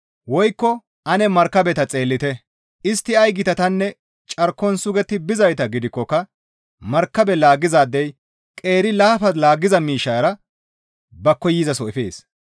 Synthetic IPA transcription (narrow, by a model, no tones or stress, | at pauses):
wɔjkːɔ | ʔɐnɛmɐɾkːɐbɛt̪ɐt͡sʼe̞ːlːɪt̪ɛ | ʔɪst̪ːɪɐjɡɪt̪ɐt̪ɐnːɛ | t͡ʃʼɐɾkːɔnsʊɡɛt̪ːɪbɪzɐjt̪ɐɡɪd̪ɪkːɔkːɐ | mɐɾkːɐbɛlaːɡɪzaːd̪ːɛj | kʼe̞ːɾɪlaːfɐlaːɡɪzɐmiːʃːɐjɾɐ | bɐkːɔjizɐsɔɪfeːs